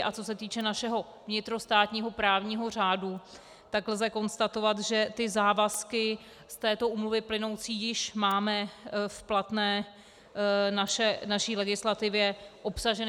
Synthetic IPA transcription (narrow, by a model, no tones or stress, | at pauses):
ʔat͡so̞s̬ɛt̪iːt͡ʃɛnaʃɛɦo̞ | vɲɪt̪ɾo̞st̪aːt̪ɲiːɦo̞pɾaːvɲiːɦo̞r̝aːdu | t̪aklzɛko̞nst̪at̪o̞vat̪ʒɛt̪ɪzaːvaskɪ | st̪ɛːt̪o̞ʔuːmluvɪplɪno̞wt͡siːjɪʃmaːmɛfplat̪nɛː | naʃɛnaʃiːlɛɡɪslat̪ɪvjɛʔo̞psaʒɛn